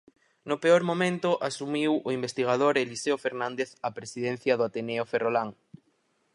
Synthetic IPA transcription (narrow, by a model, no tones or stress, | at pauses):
nʊpeoɾmomẽnt̪ʊʔasumiwoimbest̪iɣ̞að̞oɾeliseofeɾnãnd̪eθɐpɾesiðɛn̟θjɐðʊat̪eneoferolaŋ